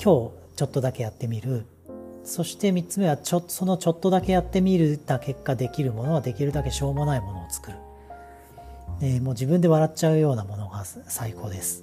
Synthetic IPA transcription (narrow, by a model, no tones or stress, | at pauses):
kʲo̞ː | t͡ɕo̞t̪ːo̞d̪ake̞jat̪ːe̞mʲiɾɯ̟ | so̞ɕi̥t̪e̞mʲitt͡sɨme̞βat͡ɕotso̞no̞t͡ɕo̞t̪ːo̞d̪ake̞jat̪ːe̞mʲiɾɯ̟t̪ake̞kːad̪e̞kʲiɾɯ̟mo̞no̞βad̪e̞kʲiɾɯ̟d̪ake̞ɕo̞ːmo̞naimo̞no̞ːt͡sɨ̥kɯ̟ɾɯ̟ | emo̞ːd͡ʑibɯ̟̃nd̪e̞βaɾatt͡ɕaɯ̟jo̞ːnamo̞no̞ɡasaikʰo̞ːd̪e̞sɨ̥